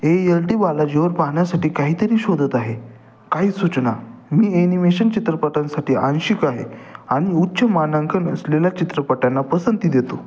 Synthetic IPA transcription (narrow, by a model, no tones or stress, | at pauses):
eelʈiːbalad͡ʑeʋəɾpaɦɳjasaʈiːkaɦiːt̪əɾiːɕod̪ʱət̪aɦe | kaɦiːsut͡ɕnamiːenimeɕənt͡ɕit̪ɾəpəʈansaʈiːʔãnɕikaɦḛaɽ̃iutːɕəmanəŋkʰənəsleljat͡ɕit̪ɾəpəʈanːapəsənt̪id̪et̪o